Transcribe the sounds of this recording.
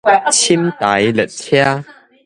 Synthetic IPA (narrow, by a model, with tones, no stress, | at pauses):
t͡ɕʰi˦˥mt̪a˨˦jlə˨˩t̪̚tʰja˦